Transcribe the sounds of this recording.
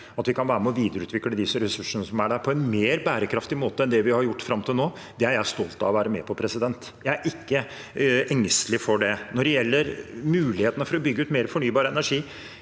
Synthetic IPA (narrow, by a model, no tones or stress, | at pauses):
ɑt̪ʋɪkʰɑnʋæːɾəmɛɔʋiːd̪əɾʉːt̪ʋɪkːləd̪ɪsəɾɛsʉʂəɳəsɔmæɖæɾpʰɔɛnmeːɾbæːɾəkʰɾɑft̪ɪmoːt̪əɛnd̪ɛʋɪhɑɾjʊʈːfɾɑmt̪ʰɪlnoː | d̪ɛæɾjæɪst̪ɔlt̪ɑ̰ʋɔʋæːɾəmɛ̰pʰɔpʰɾɛsɪd̪ɛnt̪ | jæɪæɾʔɪkːə | ʔɛŋst̪lɪfɔɖɛnɔɖɛjɛlːəɾmʉːlɪheːt̪nəfɔɾɔbʏɡːʉːt̪meːɾəfɔɳyːbɑːɾəɛnæʂiː